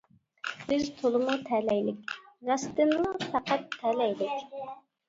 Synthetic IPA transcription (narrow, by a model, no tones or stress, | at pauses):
b̥ɪzt̪ʰolˠɨmut̪ʰɛlɛjlɪkʲɾɑst̪ɨnmufʰæqæt̪ʰːɛlɛjlɪkʲ